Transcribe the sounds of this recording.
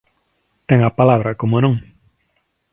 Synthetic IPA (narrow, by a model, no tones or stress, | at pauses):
t̪eŋapalaβɾakomonõŋ